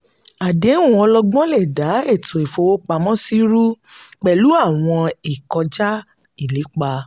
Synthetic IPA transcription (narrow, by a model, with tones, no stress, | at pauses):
a˨de˨˦ũ˦˨ɔ˧lɔ˧ɡ͡bɔ̃˦le˦˨da˨˦e˦˨tʰo˨e˨fo˧˦wo˦k͡pa˧mɔ̃˦si˦ɾu˦ | k͡pɛ˨lu˨˦a˦˨w̃ɔ̃˧i˨kɔ˧d͡ʒa˦ | i˦˨le˨˦k͡pa˧